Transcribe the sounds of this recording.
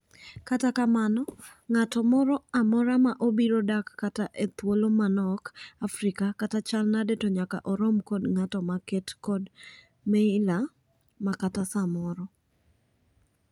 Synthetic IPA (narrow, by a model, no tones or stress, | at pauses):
katakamanɔ | ŋatɔmɔɾɔamɔɾamaʔobiɾodakːataʔet̪wolomanɔkafɾikakatat͡ʃalnadetɔɲaka̰ʔɔɾomkɔdŋatɔmakɛtkɔd | mɛla | makatasamɔɾɔ